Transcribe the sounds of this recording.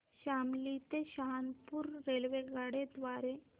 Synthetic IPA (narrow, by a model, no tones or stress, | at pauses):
ɕamlit̪eɕaɦanpuːɾːelʋeɡaɽed̪ʋaɾe